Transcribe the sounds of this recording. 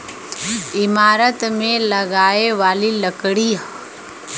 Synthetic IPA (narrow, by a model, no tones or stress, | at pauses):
ɪmaːɾət̪mẽlɐɡaːeʋaːliləkɽi